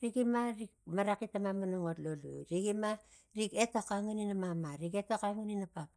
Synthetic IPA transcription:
ɾiɡimaɾik̚maɾakitamamanoŋotlolṵɾiɡima | ɾike̞tokaŋuninamamaɾiketokaŋuninapap

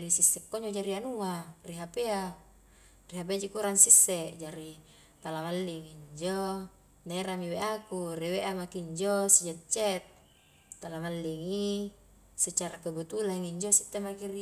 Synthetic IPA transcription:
ɾisisːɛkːoɲd͡ʒod͡ʒaɾianuariɦapea | riɦap̬ead͡ʒikuɾaŋsisːɛʔd͡ʒaɾi | t̪alamalːiŋiɲd͡ʒo | neɾamiweʔakurɛweʔamakiɲd͡ʒɔsid͡ʒat͡ʃɛt̪̚ː | alamalːiŋi | set͡ʃaɾakəbut̪ulaŋiɲd͡ʒosit̪ːemakiri

